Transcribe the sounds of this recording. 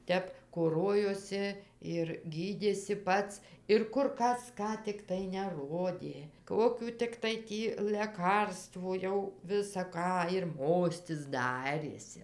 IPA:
ˈtʲɛp koːˈroːjoːsʲɪ ɪr ɡʲiːˈdʲeːsʲɪ ˈpɐts ɪr ˈkʊr ˈkɐs ˈkɑː tʲɪkˈtɐɪ nʲɛˈroːdʲeː ˈkoːkʲuː tʲɪkˈtɐɪ ˈtʲiː lʲɛˈkɐrstʋuː ˈjɛʊ ʋʲɪsɐ ˈkɑː ɪr ˈmoːsʲtʲɪs ˈdɑːrʲeːsʲɪ

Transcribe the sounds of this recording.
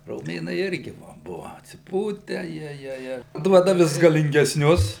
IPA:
roːˈmʲeːnɐɪ ˈɪrʲɡʲɪ ʋɐ ˈbʊʋɐ ɐtʲsʲɪˈpuːtʲæː ˈjiɛjiɛ ˈɪr ˈduɔdɐ ˈʋʲɪs ɡɐlʲɪŋʲɡʲɛsʲˈnʲʊs

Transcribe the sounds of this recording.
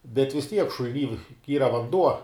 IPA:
bʲɛt ʋʲɪs ˈtʲiɛk ʃʊlʲˈnʲiː ˈiːrɐ ʋɐnˈduɔ

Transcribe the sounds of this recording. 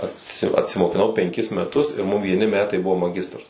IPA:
ɐtʲˈsʲɪ ɐtʲsʲɪmoːkʲɪˈnɐʊ pʲɛŋʲˈkʲɪs mʲɛˈtʊs ɪr mʊm ʋʲiɛˈnʲɪ ˈmʲæːtɐɪ ˈbʊʋoː mɐˈɡʲɪstrɐs

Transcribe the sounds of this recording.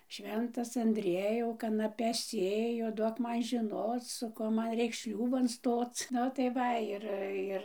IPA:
ˈʃʲʋʲɛntɐs ɐnʲdʲˈrʲiɛjɛʊ kɐnɐˈpʲɛs ˈsʲeːjʊ ˈduɔk ˈmɐn ʒʲɪˈnoːt͡s sʊ ˈkuɔ ˈmɐn ˈrʲɛɪks ˈʃʲlʲuːbɐn ˈstoːt͡s ˈnʊ tɐɪ ˈʋɐ ˈɪr ˈɪr

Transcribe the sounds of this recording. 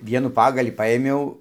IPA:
ˈʋʲiɛnuː ˈpɑːɡɐlʲiː ˈpɐeːmʲɛʊ

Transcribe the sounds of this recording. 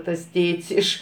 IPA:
tɐs ˈtʲeːtʲsʲ ˈɪʃ

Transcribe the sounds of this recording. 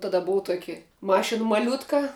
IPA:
tɐˈdɐ ˈbʊʊ ˈtuɔkʲɪ ˈmɑːʃʲɪn mɐˈlʲʊtkɐ

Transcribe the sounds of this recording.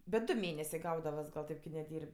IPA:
bʲɛt ˈdʊ ˈmʲeːnʲɛsʲeː ˈɡɐʊdɐʋɐs ɡɐlˠ ˈtʲeːp kʲɪ nʲɛˈdʲiːrʲpʲ

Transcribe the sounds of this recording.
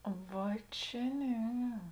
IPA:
ˈʋɐ t͡ʃʲɛ ˈnʲɛ

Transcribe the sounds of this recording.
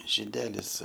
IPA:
ʒʲɪˈdʲæːlʲɪs

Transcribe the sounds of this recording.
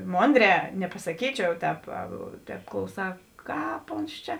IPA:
ˈmoːnʲˌdʲrʲɛː nʲɛpɐsɐˈkʲiːt͡ʃʲɛʊ ˈtʲɛːp ˈtʲɛːp klˠɐʊˈsɑː ˈkɑːp oːns ˈt͡ʃʲɛ

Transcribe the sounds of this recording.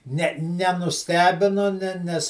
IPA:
ˈnʲɛ nʲɛnʊˈsʲtʲæːbʲɪnʊ ˈnʲɛ ˈnʲɛs

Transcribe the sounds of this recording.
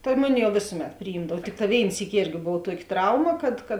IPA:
tɐ ˈmʊˌnʲɪ jɛʊ ˈʋʲeːsʊˌmʲɛt pʲrʲɪˈjiːmdɐw ˈtʲɪkˌtɑː ˈʋʲeːɪn ˈsʲiːkʲɪ ˈeːrʲɡʲɪ ˈboːw ˈtuɔkʲɪ ˈtrɐʊmɐ kɐt kɐt

